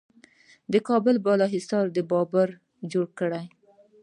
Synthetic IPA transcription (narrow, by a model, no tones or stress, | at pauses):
d̪əkɑbəlbɑlɑɦɪsɑɾd̪əbɑbaɾ | d͡ʒoɽkəɽaj